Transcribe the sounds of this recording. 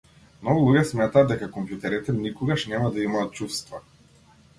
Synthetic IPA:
mnɔɡulˠuɡɛsmɛt̪aːd̪ːɛkakɔmpjut̪ɛɾit̪ɛnikɔɡaʃnɛmad̪aimaːt̪̚t͡ʃufst̪va

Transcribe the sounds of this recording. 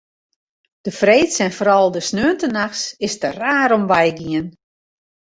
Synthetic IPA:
d̥əfreːtsɛnfoːɾɔlˠdəsnøːəntənaxsɪstəraːɾomʋɛjɡiən

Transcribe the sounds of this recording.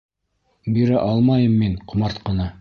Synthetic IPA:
biɾæʔɑlˠmɑjɤmːiɴqʰŏmɑɾt̪qɤ̆nɑ

